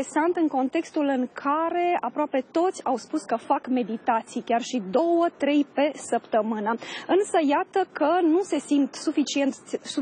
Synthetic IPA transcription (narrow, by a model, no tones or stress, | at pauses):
esant̪ɨŋko̞nt̪e̞kst̪ulɨŋkʰaɾe̞apɾoape̞t̪o̞t̪sʲawspuskəfakme̞d̪it̪at̪sijkʲarʃid̪o̞wət̪ɾe̞jpe̞səpt̪əmɨnəɨnsəjat̪əkənuse̞simt̪sufit͡ʃient̪su